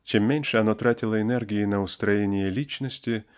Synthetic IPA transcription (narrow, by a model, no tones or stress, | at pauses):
t͡ʃɛmːʲenʲʂɛɐnɔt̪ɾatʲɪlˠɐɛnɛrɡʲɪjinɐʊst̪ɾɐjenʲɪjɛlʲit͡ʃnɔsʲtʲɪ